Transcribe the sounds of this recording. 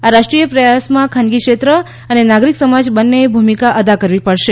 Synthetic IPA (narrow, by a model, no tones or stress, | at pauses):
aɾaʃʈɾijəpɾəjasmãkʰanɡikʃet̪ɾə | ənenaɡɾiksəmad͡ʒbənːebʱumikaʔəd̪akəɾʋipəɭʃe